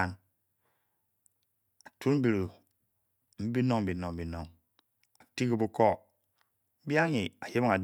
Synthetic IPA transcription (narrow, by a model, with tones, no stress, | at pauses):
a˨n | a˨tu˦ɾm̩˦bi˨ɾu˨ | m̩˦bi˦no˦ŋ˨bi˨no˨ŋ˨bi˨no˨ŋ | a˨ti˦ki˦bu˦ko˦˨˦ | bi˦a˦ŋi˨a˨je˦bi˦ŋa˨d